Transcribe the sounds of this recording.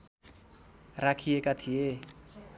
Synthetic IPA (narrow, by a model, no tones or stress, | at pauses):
rakʰiekat̪ʰije